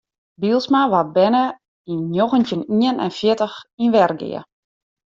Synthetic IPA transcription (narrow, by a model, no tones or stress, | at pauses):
bilˠsmaʋat̚bɛnə | inːjoɣəntjəniənɛ̰nfjɪtəxinʋɛrɡɪ̰ə